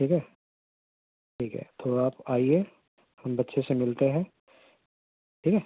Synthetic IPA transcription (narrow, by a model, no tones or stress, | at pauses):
ʈʰiːkɦɛ | ʈʰiːkɦɛ̰t̪ʰoaːpaːie | hɐmbɐtːʃʰesemɪlt̪eɦɛ̃ː | ʈʰiːkɦɛː